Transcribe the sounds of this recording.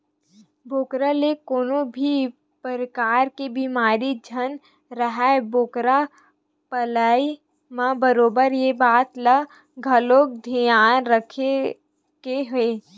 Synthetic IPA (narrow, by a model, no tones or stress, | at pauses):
boːkɾalekoːnobʱi | pəɾəkaːɾkebiːmaːɾid͡ʒʱən | ɾəɦɛboːkɾa | pəlaːi | mãbəɾoːbəɾjebaːt̪lə | ɡʱəloːɡ̚d̪ʱijaːnɾəkʰe | keɦeː